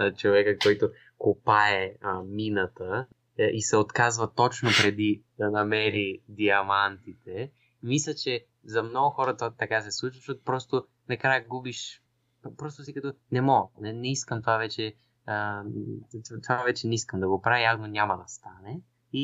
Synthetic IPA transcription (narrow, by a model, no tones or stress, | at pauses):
t͡ʃovɛkəkɔjt̪o | kopaɛminət̪ə | isɛot̪kazvɐt̪ɔt͡ʃnopɾɛd̪id̪̥ɐnɐmɛɾid̪iɐmant̪it̪ɛ | mislʲət͡ʃɛ | zɐmnɔɡʊxɔɾɐt̪at̪ɐkas̬ɛslˠut͡ʃvəʃɔt̪pɾɔst̪o | nɐkɾajəɡubiʃ | pɾɔst̪osikɐt̪onɛmɔɡnɛnɛiskəmt̪ovavɛt͡ʃɛ | ə | t̪t̪ovavɛt͡ʃɛnɛiskəmd̪ɐɡopɾaviaɡnonʲamɐd̪ɐst̪anɛ | i